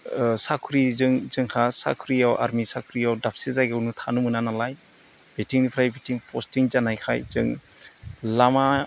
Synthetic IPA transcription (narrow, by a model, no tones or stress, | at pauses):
sakʰɯɾizɯŋzɯŋkʰasa̰kʰɯɾiawʔa̰ɾmisakʰɯɾiawdap̚sizajɡewnɯtʰanumɯnanalaj | b̥etʰiŋnipʰɾajbetʰiŋpʰɔstiŋzanajkʰajzɯ̰ŋ | lama